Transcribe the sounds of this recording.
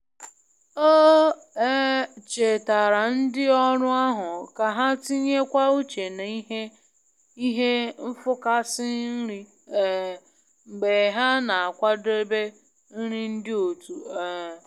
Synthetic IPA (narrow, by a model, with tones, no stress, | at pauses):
o˦ | e˦t͡ʃe˨ta˨ɾa˨n̩˦dɪ˦ɔ˦ɾʊ˦a˦ɦʊ˨ka˨ɦa˦ti˦ɲe˦kʷa˦u˦t͡ʃe˨na˨i˦e˦ | i˦ɦe˦m̩˦fʊ˦ka˦sɪ˦ɾi˦˨ | ŋ͡m̩˨ɡ͡be˨ɦa˦na˨a˨kʷa˦de˦be˦ | n̩˦ɾi˦n̩˦dɪ˦o˨tu˨